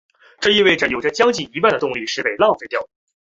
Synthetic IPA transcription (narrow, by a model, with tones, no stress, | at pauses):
ʈ͡ʂɤ˥˧i˥˧we˥˩ɪʈ͡ʂə˩jo˨˩ʊʈ͡ʂə˦t͡ɕjɑ˥ŋt͡ɕi˨˩i˧˥pa˥˩nd̪ə˩t̪ʊ˥˧ŋli˥˧ʂɻ̩˥˩pe˨˩ɪlɑ˥˩ŋfe˥˧t̪jɑ˥˩ʊ